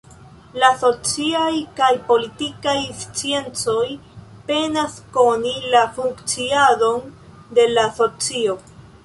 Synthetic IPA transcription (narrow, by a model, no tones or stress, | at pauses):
laso̞t͡siajkajpo̞litikajst͡sie̞nt͡so̞jpe̞nasko̞nilafuŋkt͡siado̞n | de̞laso̞t͡sio̞